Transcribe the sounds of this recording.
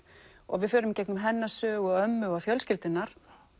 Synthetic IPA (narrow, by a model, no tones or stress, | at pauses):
ɔ̰ɣvɪðfœːɾʏmcɛknʏmɦɛnːasœːɣʏœmːʏafjœlscɪlt̪ɪnaɾ̥